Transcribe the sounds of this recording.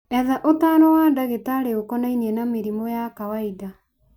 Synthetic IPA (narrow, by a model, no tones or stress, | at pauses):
ɛðaʔotanɔwaːndaɣetaɾeokɔnainiɛnameɾimɔjakawaida